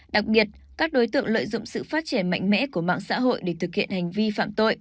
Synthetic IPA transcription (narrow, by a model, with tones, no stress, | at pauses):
ɗa˨˩k̚ɓi˨˩ət̚ | kaː˦˥k̚ɗo˨˦jt̪ɨ̰˧˨əŋlə̰ː˧˨jzʊ̰˧˨ŋ͡msɨ̰˧˨faː˦˥t̚t͡ɕi˧˩ənma̰˧˨jŋ̟mɛ̰˧˥ku˧˩əma̰ː˧˨ŋsa̰ː˧˥ɦo̰˧˨jɗe˧˩t̪ʰɨ˨˩k̚hḭ˧˨ənha˨˩jŋ̟vi˧fa̰ː˧˨mt̪o̰˧˨j